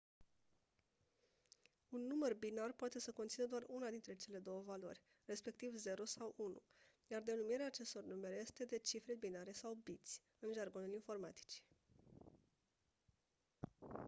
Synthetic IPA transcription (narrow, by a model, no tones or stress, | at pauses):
unːumərbinarpoat̪e̞səko̞nt̪sinəd̪oarunad̪int̪ɾe̞t͡ʃe̞le̞d̪o̞wəvalo̞̰rʲ | re̞spe̞k̚t̪ivze̞ɾosawunṵ | jard̪e̞numiɾeaːt͡ʃe̞st̪o̞rnume̞ɾje̞st̪e̞d̪e̞t͡ʃifɾebinaɾe̞sawbit̪sʲ | ɨnʒarɡo̞nulinfo̞rmat̪i̥t͡ʃ